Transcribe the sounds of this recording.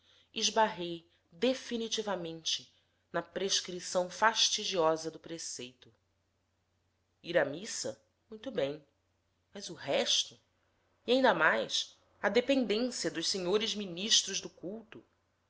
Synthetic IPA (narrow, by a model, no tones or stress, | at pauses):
iʒbaɦej | d̪efinit͡ʃivɐmẽnt͡ʃɪ | nɐpɾeʃkɾisɐ̃w̃faʃt͡ʃid͡ʒiɔzɐd̪ʊpɾesejt̪ʊ | iɾɐmisɐ̰ | mũj̃t̪ʊbẽj̃ | mɐzʊɦɛʃt̪ʊ | iaĩnd̪ɐmajs | ɐd̪epẽnd̪ẽsiɐd̪ʊʃseɲoɾɪzminiʃt̪ɾʊzd̪ʊkuwt̪ʊ